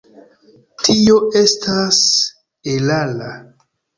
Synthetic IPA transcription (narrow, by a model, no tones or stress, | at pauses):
tio̞ʔe̞stʰas | elala